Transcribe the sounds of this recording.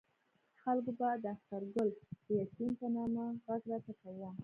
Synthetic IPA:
xalkobad̪əaxt̪aɾɡʊld̪̥əjakimpənɑmaɣazɾɑt̪apawam

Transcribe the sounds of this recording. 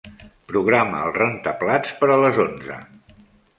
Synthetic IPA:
pɾuɣ̞ɾamə̰ːlˠrent̪əplat͡spəɾələzonzə̰

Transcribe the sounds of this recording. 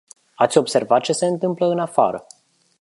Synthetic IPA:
at̪sʲo̞bse̞rvat̪̚t͡ʃe̞se̞ɨnt̪ɨmpləɨnafa̰ɾə

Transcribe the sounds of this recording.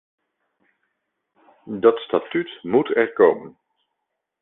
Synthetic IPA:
dɑtstatytmutɛɹkowmən

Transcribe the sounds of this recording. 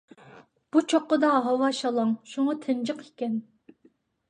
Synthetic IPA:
b̥ut͡ʃʰoqːəd̪ɑɦɑwɑʃɑlˠɑŋʃuŋɑt̪ʰɪnd͡ʒɨqʰikʲɛn

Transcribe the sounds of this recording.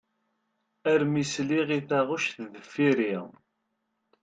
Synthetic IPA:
æɾmisliʁiθæʁuʃθðəfːiɾiʁ

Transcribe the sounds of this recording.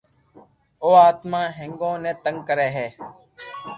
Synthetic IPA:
oːaːt̪mãːɦɪŋɡõːnẽːt̪əŋɡkəɾeːɦeː

